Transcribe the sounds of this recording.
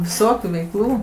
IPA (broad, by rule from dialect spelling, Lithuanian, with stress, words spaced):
ʋʲɪˈsoːkʲuː ʋʲɛɪkˈlˠuː